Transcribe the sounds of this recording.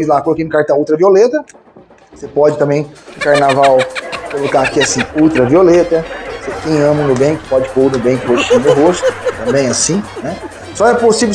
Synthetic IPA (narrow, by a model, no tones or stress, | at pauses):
zlakolkĩnʊkaɾt̪ɐ̃w̃uwt̪ɾɐviolet̪ɐ | sepɔd͡ʒɪt̪ɐ̃mẽj̃ʊ̃kaɾnavawkolokaakiasĩuwt̪ɾɐviolet̪ɐsekẽj̃ɐ̃mɐ̃nʊbẽkɪ̥pɔd͡ʒɪpownʊbẽkɪpod͡ʒɪʃinʊɦost̪ʊ̥t̪ɐ̃mbẽj̃asĩnɛ | sɔɛposive